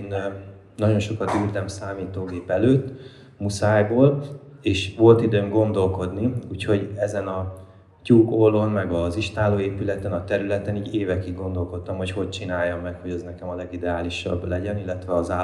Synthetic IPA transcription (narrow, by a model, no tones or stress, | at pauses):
n | nɒɟo̞nʃo̞kɒt̪yːlt̪ɛmsaːmiːt̪oːɡeːpɛløːt̪ː | musaːjboːleːʃʋo̞lt̪id̪øːŋɡo̞nd̪o̞lko̞d̪niuːcho̞ɟɛzɛnɒ | cuːkolːo̞nmɛɡɒziʃt̪aːloːeːpylɛt̪ɛnɒt̪ɛɾylɛt̪ɛniːɟeːvɛkiɡ̚ɡo̞nd̪o̞lko̞t̪ːɒmho̞cho̞c̚t͡ʃinaːjːɒmːɛkho̞ɟɛznɛkɛmɒlɛɡid̪ɛaːliʃɒ̰blɛɟɛnilːɛt̪ʋɛɒzaː